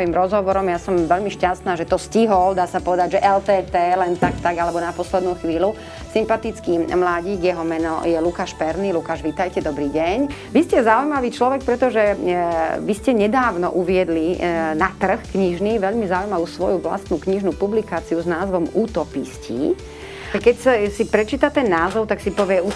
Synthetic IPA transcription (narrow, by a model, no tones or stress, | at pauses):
imɾɔzɦɔʋɔɾɔmjasɔmʋɛʎmiʃcast̪naːʒɛt̪ɔsciɦɔld̪aːsapɔʋɛd̪aɟʒɛʔɛlt̪ɛːt̪ɛːlɛnt̪akt̪aɡalɛbɔnapɔslɛd̪nuxʋiːlu | simpat̪it͡skimlaːɟiːɡjɛɦɔmɛnɔ̰jɛlukaːʃpɛɾnilukaːʒʋit̪ajcɛd̪ɔbɾiːɟɛɲ | ʋiscɛzaujmaʋiːt͡ʃlɔʋɛk̚pɾɛt̪ɔʒɛ | ʋiscɛɲɛd̪aːʊnɔʔuʋɪɛd̪linat̪r̩xkɲiʒniʋɛʎmizaujmaʋuːsʋɔjuʋla̰st̪nukɲiʒnupublikaːt͡siuznaːzʋɔmuːt̪ɔpiscḭ | kɛcsasipɾɛt͡ʃiːt̪at̪ɛnːaːzɔʊt̪aksipɔʋɪɛu